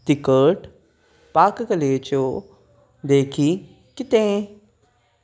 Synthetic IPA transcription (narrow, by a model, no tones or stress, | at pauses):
t̪ɪkəːʈ | paːkkəleːt͡ʃo | d̪eːkʰi | kɪt̪ẽ